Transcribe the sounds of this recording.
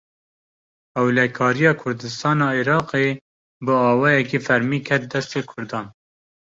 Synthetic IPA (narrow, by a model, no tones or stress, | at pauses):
ɛwlɛkʰɑːɾijɑːkʰʊɾd̪ɨst̪ɑːnɑːiɾɑːqe | bɨɑːwɑːjɛkifɛɾmiːkʰɛt̪̚d̪ɛst̪eːkʰʊɾd̪ɑːn